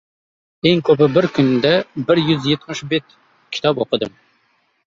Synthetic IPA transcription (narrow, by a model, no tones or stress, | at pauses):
eŋkʲʰøbɪbɪɾkʲynd̪ɛbɪɾjyzjet̪mɪʃbet̪ | kʲʰi̥t̪ʰɑpoqʰəd̪ɨm